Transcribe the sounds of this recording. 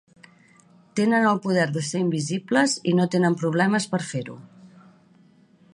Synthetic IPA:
t̪enənəlˠpuð̞ɛɾðəseimbizibləzinot̪enəmpɾuβlɛməspəɾfeɾṵ

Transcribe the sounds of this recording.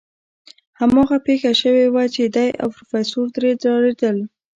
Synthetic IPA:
hamɑɣapexaʃəwewat͡ʃed̪aja̰wpɾofesoɾd̪ɾed̪ɾɑɾed̪əl

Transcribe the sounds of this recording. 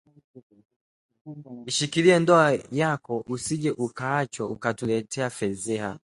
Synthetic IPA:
iʃikiliɛndɔajakɔʔusiʄɛʔukaːt͡ʃɔukatulɛtʰɛafɛzɛha̰

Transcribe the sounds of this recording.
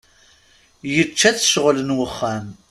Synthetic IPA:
jət͡ʃːæθʃəʁlənwəχːæm

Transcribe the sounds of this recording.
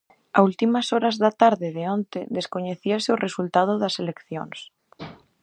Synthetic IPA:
ault̪imasoɾazðat̪aɾðeðeõnt̪eðeskoɲeθiaseorʔesult̪að̞oðaselekθjo̰ns

